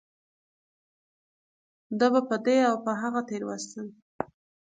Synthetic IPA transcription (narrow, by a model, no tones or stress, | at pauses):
d̪abapəd̪eawpəɦaɣat̪eɾwast̪ən